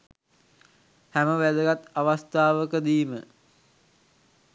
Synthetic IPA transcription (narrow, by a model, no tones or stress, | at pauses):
hæməʋæd̪əɡat̪aʋast̪aːʋəkəd̪iːmə